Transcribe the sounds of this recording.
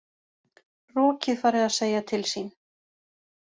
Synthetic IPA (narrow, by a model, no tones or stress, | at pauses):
rɔːcɪðfaːɾɪðaðseːjat̪ʰɪlsiːn